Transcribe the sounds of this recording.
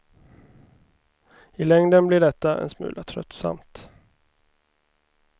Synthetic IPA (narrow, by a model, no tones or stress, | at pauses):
ɪlɛŋd̪ənblɪɖɛt̪ːaʔɛ̰nsmʉ̟ːlʔat̪ʰɾœ̰t̪ːsa̰mt̪